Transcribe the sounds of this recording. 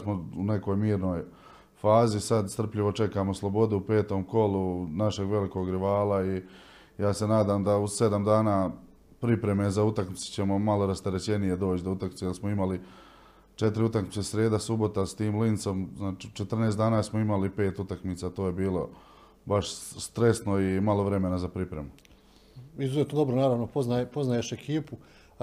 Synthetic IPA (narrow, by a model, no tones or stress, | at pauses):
smoune̞ko̞ːjmiːɾno̞ːj | faːzisad̪st̪r̩pʎiʋo̞t͡ʃe̞kaːmoslˠo̞bo̞d̪uupe̞ːt̪o̞mko̞lunaʃe̞ɡʋe̞liko̞ɡɾiʋaːlˠai | jaːse̞naːd̪aːmd̪ause̞d̪amd̪aːnaː | pɾipɾe̞me̞zaut̪akmit̪se̥t͡ɕe̞momalo̞ɾast̪eɾet͡ɕe̞nije̞d̪o̞ːt͡ɕd̪out̪akmit̪ejelsmoimali | t͡ʃe̞t̪ɾiut̪akmit̪esɾe̞ːd̪asubo̞t̪ast̪iːmlint̪so̞mznaːt͡ʃiut͡ʃet̪r̩neːsd̪aːnaːsmoimalipe̞ːt̪ut̪akmiːt̪saːt̪o̞ːje̞biːlo̞̰ | baʃst̪ɾe̞snoimalo̞ʋɾe̞me̞nazapɾipɾe̞mu | izuzet̪nod̪o̞bɾonaːɾaːʋnopoznajpoznajeʃekʰiːpu